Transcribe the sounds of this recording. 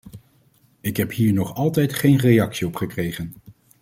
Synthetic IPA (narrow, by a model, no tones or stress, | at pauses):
ɪkɦɛpɦiːɹnɔχɑlˠtɛjtχejnrejɑksiɔpχəkrejχən